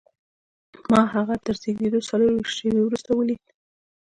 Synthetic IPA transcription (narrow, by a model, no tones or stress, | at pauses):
mɑɦaɣat̪əɾzeɡd̪ed̪osaloɾwiʃt̪ʃewewɾust̪awəli